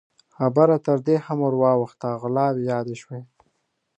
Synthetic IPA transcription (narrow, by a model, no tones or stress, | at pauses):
xabaɾat̪əɾd̪ehamoɾwɑwəxt̪aɣlɑwejɑd̪eʃwe